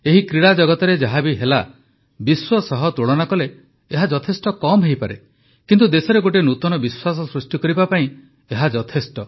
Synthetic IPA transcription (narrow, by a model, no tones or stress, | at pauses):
eɦikɾiɽad͡ʒɔɡɔt̪ɔɾed͡ʒaɦabiɦela | biswɔsɔɦɔt̪oɭɔnakɔleː | ɦad͡ʒɔt̪ʰesʈɔkɔmɦeɦjpaɾḛ | kint̪ud̪esɔɾeɡoʈ̬enut̪ɔnɔbiswasɔsɾusʈikɔɾibapaĩ | eɦad͡ʒɔt̪ʰesʈɔ